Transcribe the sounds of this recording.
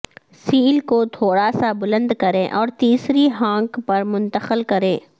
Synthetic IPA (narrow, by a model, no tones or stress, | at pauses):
siːlkot̪ʰoːɾasabʊlə̃nd̪kɐɾẽːʔɔːɾt̪iːsɾiɦãːŋkpɐɾmʊ̃nt̪əxəlkɐɾẽː